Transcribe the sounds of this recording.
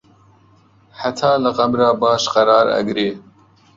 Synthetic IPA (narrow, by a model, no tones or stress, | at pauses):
ħat̪ʰɑːlɨqɐmɾɑːbɑːʃqɐɾɑːɾɐ̰ɡɾeː